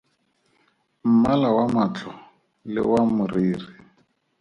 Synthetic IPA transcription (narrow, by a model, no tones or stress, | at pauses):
m̩malawamat͡ɬʰɔ | lɪ̰wamʊriːri